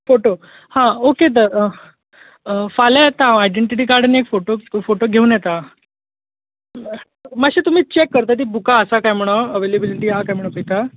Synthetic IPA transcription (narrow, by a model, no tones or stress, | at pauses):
foʈo | hãoket̪̬əɾ | falajɛt̪aajɖeɳʈiʈiːkaɾɖaniekfoʈofoʈoɡʱeuːnjɛt̪a | maɕit̪um̤iːt͡ɕekːəɾt̪at̪̬iːbukaəsakajm̤əɽ̃oəʋelebiliʈiːɦakajm̤əɳɭobʱəit̪a